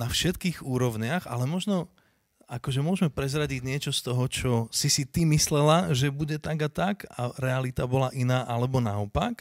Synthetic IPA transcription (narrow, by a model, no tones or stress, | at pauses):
nafʃɛt̪kiːɣuːɾɔʋɲɪaɣa̰lɛmɔʒnɔ | akɔʒɛmʊɔʒmɛpɾɛzɾaɟiɟɲɪɛt͡ʃɔst̪ɔɦɔt͡ʃɔsisit̪imislɛlaʒɛbuɟɛt̪aɡat̪aka̰ɾɛalit̪abɔlaʔinaːʔalɛbɔnaɔpak